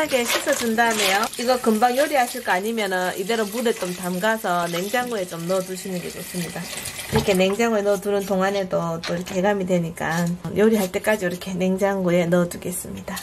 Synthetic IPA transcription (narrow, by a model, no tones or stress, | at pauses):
aɡe̞ɕʰis͈ʰʌtundamejoiɡʌkɯmbaŋjoɾiɦaɕʰiɭk͈ʌaɲimjʌnɯnʔide̞ɾomuɾet͡ɕ͈omtamɡasʰʌne̞ŋd͡ʑaŋɡue̞t͡ɕ͈omnʌtuɕʰinɯnɡed͡ʑ͈os͈ɯmɲidaiɾʌkʰe̞ne̞ŋd͡ʑaŋɡuenʌtunɯntoŋane̞dot͈oiɾʌkʰe̞ɦeɡamidwe̞ɲik͈anjoɾiɦaɭt͈e̞k͈ad͡ʑiɯɾʌkʰe̞ne̞ŋd͡ʑaŋɡoe̞nʌduɡe̞s͈ɯmɲid̥a